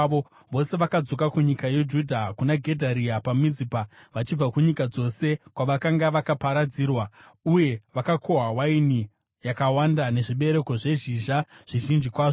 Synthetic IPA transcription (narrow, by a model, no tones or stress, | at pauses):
o | ʋo̞se̞ʋakad͡zo̞kakuɲikaje̞d͡ʒudʱakunaɡʱe̞dʱaɾiapamizipaʋat͡ʃib͡vakuɲikad͡zo̞se̞kwaʋakaŋɡaʋakapaɾad͡ziːrwa | uje̞ʋakakʰo̞ɦawaini | jakawandane̞ʐiɓe̞ɾe̞ko̞ʐe̞ʒiʒaʐ̥iʒind͡ʒikwaːʐo